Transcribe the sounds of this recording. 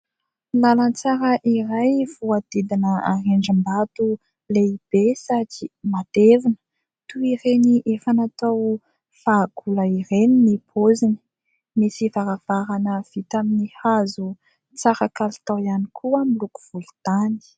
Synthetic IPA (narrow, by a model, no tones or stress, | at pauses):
nalant͡saɾəʔirajvuad̪̥id̪inəa̰reɳɖ͡ʐəmbat̪u | leib̥esad͡ʒimad̪̥evinə̥ | t̪uiɾeniʔefanat̪aw | faɡ̥uləiɾeninipʰozini̥ | misivaɾav̥aɾanəv̥it̪aminihazu | t͡saɾakalt̪awjanikʰuəmiluku̥v̥ulut̪ani̥